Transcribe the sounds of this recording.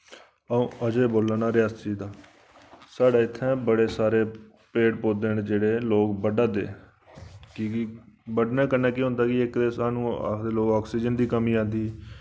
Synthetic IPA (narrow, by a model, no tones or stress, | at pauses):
əõːəd͡ʒeːboːlːaːnaːɾɪjaːst̪t͡ʃiːd̪aː | saːɽaːɪt̪ʰːɛ̃ːbəɽeːsaːɾeː | peːʈpoːd̪eːnd͡ʒeːɽeːloːkbəɖaːd̪ḛː | kiːkibəɖnẽːkənːɛ̃ːkɪːɦʊ̃nd̪aːkɪɪkd̪eːsaːnũːa̰d̪eːloːɡɔːksiːd͡ʒənd̪iːkəmiːãːnd̪iː